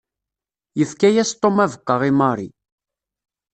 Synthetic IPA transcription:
jəfkæjæst̪ˤːomævəqːəʁimɑɾˤi

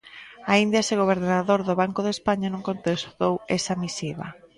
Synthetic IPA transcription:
aind̪jaseɣ̞oβ̞eɾnaðoɾðʊβaŋkoðespaɲanũŋkõnt̪esðowesamisiβɐ̰

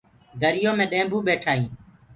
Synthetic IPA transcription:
ɡ̪ʱəɾɪjõːmẽːɗẽːmbuːɓeːʈʰaːĩː

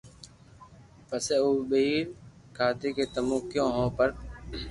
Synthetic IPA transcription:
pəseːuːɓəiːɾ | kʰaːt̪eːkeːt̪əmũːkjõːɦõːpəɾ

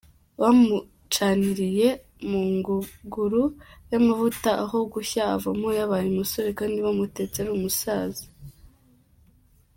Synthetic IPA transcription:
wamu | t͡ʃaːniɾije̞ | muŋɡuɡuɾujamavutaʔaɦo̞ɡuçaːvamojaβajimaso̞ɾekaːndiβamute̞ːt͡se̞ɾuːmusaːzi̥

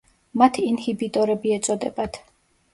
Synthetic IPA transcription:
mat̪ʰiːnhibit̪ʼɔɾɛbiɛt̪sʼɔd̪ɛ̰bat̪ʰ

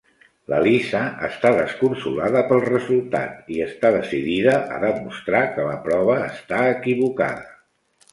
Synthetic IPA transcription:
lə̰lisəəst̪aðəskunsulaðəpəlˠrəzulˠt̪a̰t̪iəst̪aðəsiðiðəʔə̰ðəmust̪ɾakələpɾɔβəːst̪aəkiβuka̰ðə

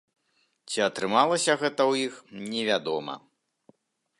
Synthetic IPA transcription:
t͡sʲiɐt̪ɾɨmalˠɐsʲɐɣɛt̪ɐwjixnʲɛvʲad̪ɔmɐ̰

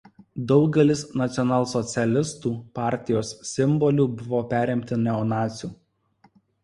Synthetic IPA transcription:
d̪ɒʊɡʲɛlʲɪsnɐt̪sʲɔnɑːlˠsɔt̪sʲɛlʲɪst̪uːpɑˑɾʲt̪ʲɪjoːsːʲɪmbɔlʲuːˑbʊʋoːpʲæːɾʲɪmʲt̪ʲɪnʲɛɔnɑːt̪sʲuː

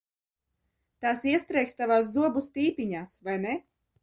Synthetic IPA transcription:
t̪aːsiɛst̪ɾɛjkst̪avaːs̬zuɔbust̪iːpʲiɲaːsvajnɛ

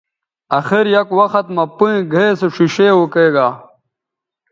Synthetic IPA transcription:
ɐxiɾjɐkwɐxɐt̪mɐpuẽɡʱeːseʂiɕewukeːɡaː

